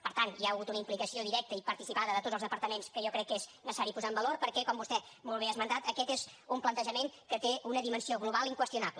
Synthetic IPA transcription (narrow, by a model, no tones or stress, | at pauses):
pəɾt̪ant̪jiaəɣut̪unəimplikəsioðiɾɛk̚t̪əipəɾt̪isipaðəðət̪otzəlˠzðəpəɾt̪əmenskəʒɔkɾɛkːeznəsəsaɾipuzaəmbəloɾpəɾkɛkɔmbust̪ɛmolˠβ̞eazmənt̪at̪əkɛt̪ezumplənt̪əʒəmeŋkət̪eunəðimənsioɣluβalˠiŋkwəst̪iunaplə